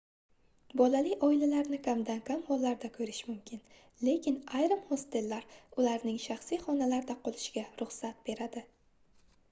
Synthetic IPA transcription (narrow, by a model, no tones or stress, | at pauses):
bɒlalɪjʔɒɪlalaɾnɪkʰʲamd̪ankʰʲamhɒlːaɾd̪akʰɵɾɪʃmʊmkʲʰɪn | le̞kʲɪnajɾɪmhost̪e̞lːaɾʊlaɾnɪŋʃaχsijχɒnalaɾd̪aqʰolˠɪʃɡʲaɾʊχsat̪̚be̞ɾad̪ɪ